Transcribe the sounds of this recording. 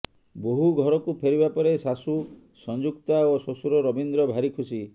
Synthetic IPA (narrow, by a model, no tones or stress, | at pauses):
boɦuɡʱɔɾɔkupʰeɾibapɔɾesasu | sɔnd͡ʒukt̪aososuɾɔɾɔbind̪ɾɔbʱaɾikʰusi